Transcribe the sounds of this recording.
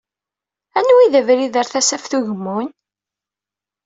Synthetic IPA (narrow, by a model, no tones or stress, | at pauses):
ænwiðəvɾiðəɾθæsæfθuʝəmːun